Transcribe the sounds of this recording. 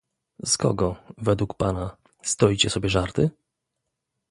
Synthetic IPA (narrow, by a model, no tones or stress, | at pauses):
skɔ̰ɡɔvɛd̪wukpana | st̪ɔjt͡ɕɛsɔbʲjɛʐaɾt̪ɘ